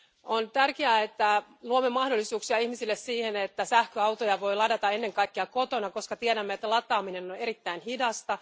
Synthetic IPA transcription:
ont̪ærkeæːet̪ːæluomːemɑhdolːisuːksiɑihmisilːessiːhenet̪ːæsæhkøɑwt̪ojɑʋo̞jlɑdɑt̪ɑenːe̞ŋkɑikːeɑkot̪onɑkoskɑt̪ieɾæmːet̪ːælɑt̪ːˑɑːmine̞noneɾit̪ːæinhidɑst̪ɑ

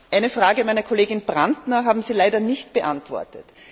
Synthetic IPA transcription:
ʔæɪnəfʁ̥aːɡəmæɪnɐkʰoleːɡɪnb̥ʁantnɐɦaːbm̩ziːlaɪdɐnɪçtb̥əʔãntv̥ɔ̰ɐtət

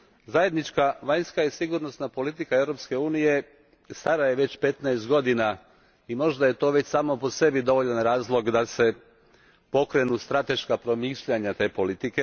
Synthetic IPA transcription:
zaje̞d̪nit͡ʃkaʋaɲskaisiɡuɾno̞snapo̞lit̪ikaeʋɾo̞pske̞uːnije̞ | st̪aɾajeʋe̞t͡ɕpe̞t̪naest̪̚ɡo̞d̪ina | imo̞ʒd̪aje̞t̪o̞ːʋet͡ɕsaːmo̞po̞se̞bid̪o̞ʋo̞ʎanɾaːzlˠo̞ɡd̪ase̞ | po̞kɾe̞nust̪ɾat̪e̞ʃkapɾo̞miːʃʎaɲat̪e̞ːpo̞lit̪ike̞

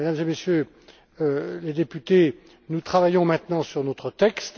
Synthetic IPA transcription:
ed̪amzemesjø | led̪epyt̪e | nut̪χavajɔ̃mɛ̃t̪nɑ̃syʁnɔt̪χət̪ɛkst̪

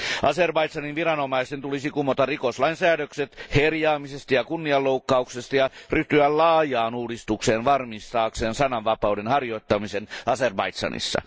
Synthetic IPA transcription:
ʔɑserbɑit̪sɑninʋirɑnomɑisent̪ulisikumːot̪ɑrrikoslɑinsæːdøkset̪herjɑːmisest̪ɑjɑkunːiɑlːoukːɑuksest̪ɑjɑryht̪yællɑːjɑːnuːdist̪ukseːnʋɑrmist̪ɑːkseːnsɑnɑʋʋɑpɑudenhɑrjoit̪ːɑmisenɑserbɑ̰it̪sɑ̰nḭsːɑ̰

